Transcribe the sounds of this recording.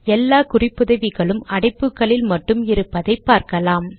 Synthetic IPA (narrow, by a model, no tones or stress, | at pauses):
ɛlːaːkʊrɪpːɯðɐʋɪɣɐɭɯmɐɽɐɪpːɯkːɐɭɪlmɐʈːɯmɪɾɯpːɐðɐɪpːaːɾkɐlaːm